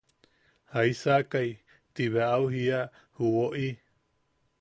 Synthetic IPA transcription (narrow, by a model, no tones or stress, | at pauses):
haisakai | t̪iβeaʔauɦia | huoʔi